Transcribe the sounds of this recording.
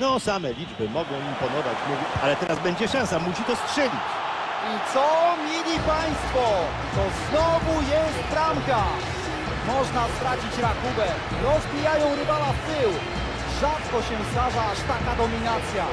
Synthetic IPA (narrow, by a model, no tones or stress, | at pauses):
nɔsamɛlʲid͡ʐbɘmɔɡɔ̃w̃impɔnɔvat͡ɕmuvʲialɛt̪ɛɾazbɛɲd͡ʑɛʂãñsamuɕit̪ɔstʂɛlʲit͡ɕ | it̪sɔmʲjilʲipaj̃st̪fɔ | t̪ɔznɔvujɛst̪pɾamka | mɔʐnast̪ɾat͡ɕit͡ɕɾakubɛ | ɾɔzbʲijajɔ̃w̃ɾɘvalaft̪ɘw | ʐat̪kɔɕɛst̪aʐaaʂt̪akad̪ɔmʲinat̪sʲja